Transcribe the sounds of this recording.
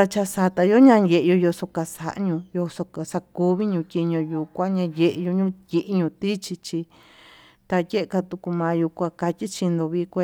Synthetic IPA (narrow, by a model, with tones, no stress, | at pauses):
t̪a˧t͡ʃa˧sa˧t̪a˧jo˦ɲã˧je˧ʔe˧jo˧jo˧so˧ka˧sa˧˨ʔɲũ˧jo˧so˧ka˨sa˧ku˧βi˦ɲũ˧tʲi˧ɲõ˧ju˧kʷã˦ɲã˧je˧ʔjo˧ɲũ˦˧ji˧ʔɲũ˧t̪i˦t͡ʃi˧t͡ʃi˧ | t̪a˧je˦ʔe˧ka˧t̪u˧ku˧mãː˧ju˧kʷa˧ka˧tʲi˦t͡ʃi˧nd̪o˧βi˧kʷe˧